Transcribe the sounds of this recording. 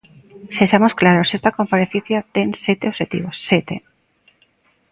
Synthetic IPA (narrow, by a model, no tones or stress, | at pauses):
sesamo̞sklaɾo̞se̞st̪ako̞mpaɾe̞θiθjat̪e̞nse̞t̪eose̞t̪ḭβo̞sːet̪e̞̰